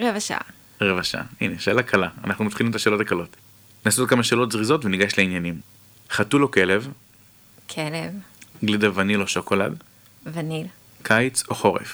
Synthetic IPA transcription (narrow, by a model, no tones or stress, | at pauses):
ʁevaʃa̰ | ʁevaʃa̰ineʃeelakʰalaanaχnumat̪χilimet̪̬aʃeːlo̞takalo̞t | naːsot̚kamaʃeːlo̞tzʁizo̞tveniɡaʃleinjanim | χatulo̞ke̞lev | kʰelev | ɡlidavaniloʃoko̞la̰d | vanil | kʰajt͡soχo̞ʁḛf